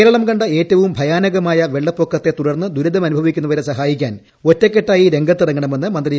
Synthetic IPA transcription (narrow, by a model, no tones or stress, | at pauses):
ɾɐɭɐmkɐɳɖɐe̞ːtːɐʋumbʱɐjaːnɐɣɐmaːjɐʋe̞ɭːɐpːokːɐt̪ːe̞t̪uɽɐrnːɨd̪ʱuɾɐðɐmɐnubʱɐʋikʲːunːɐʋɐɾesɐɦaːjik̬ʲːaːn | o̞tːekːeʈːaːjiɾe̞ŋɡʱɐt̪ːɨrɐŋːɐɳɐme̞nːɨmɐnd̪ri